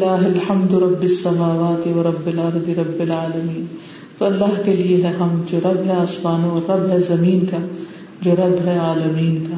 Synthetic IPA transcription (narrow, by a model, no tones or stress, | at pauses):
laːɦɪlħɐmd̪ɾɐbːɪsːɐmaːʋaːt̪iʋɐɾɐbːɪlɐɾd̪iɾɐbːɪlaːlɐmiːn | t̪oɐlːaɦkelieɦɛɦɐmd͡ʒoːɾɐbɦɛaːsmaːnõɔːɾːɐbɦɛzɐmiːnka | d͡ʒoːɾɐbɦɛaːlɐmiːnkaː